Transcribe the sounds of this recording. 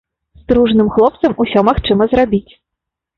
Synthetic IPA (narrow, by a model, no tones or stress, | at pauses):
st̪ɾuʐnɨmxlˠɔp̚t̪sɐmusʲɔmaxt͡ʂɨmɐzrabʲit͡sʲ